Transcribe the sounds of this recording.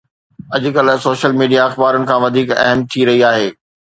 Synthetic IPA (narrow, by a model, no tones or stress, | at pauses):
ɐd͡ʑʊ̆kɐl̆soːʃəlmiːɖijaɐxbaːɾʊnɪ̆kʰãːʋɐd̪ʱiːkɐ̰ɦəmt̪ʰiɾɐɦiaːɦeː